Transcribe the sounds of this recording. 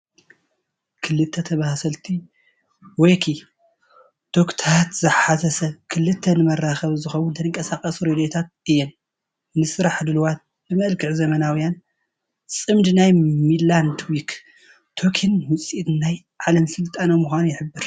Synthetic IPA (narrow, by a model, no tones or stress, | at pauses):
kʰɨlːɨt̪ʰːɐt̪ʰɐβahasɐlt̪ʰi | wɔjkʰi | d̪̥o̞kt̪ʰat̪z̥ɨħazɐsɐkʰɨlɨt̪ʰːɐnɨmɐrːaxɐβzɨxɐwʊnt̪ʰɐɨŋkʼɐsakʼɐsuɾed̪ot̪ʰat̪̚ɨjːɛnː | ɨsɨɾaħd̪uluwat̪̚ | b̥ɨmɐlkʰɨʕzɐmɐnawijan | t͡sʼɨmd̪ɨnajmiland̪wik | t̪ʰo̞kʰinwʊt͡sʼːit̪naj | ʕalɐmsɨlt̪ʼanomuxʷanujɪħɨbːɨɾ